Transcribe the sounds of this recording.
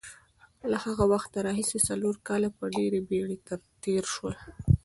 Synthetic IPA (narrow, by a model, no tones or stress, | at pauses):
lahaɣawaxt̪naɾɑɦisesaloɾkɑlapəɖeɾebeɽet̪aɾt̪eɾʃwəl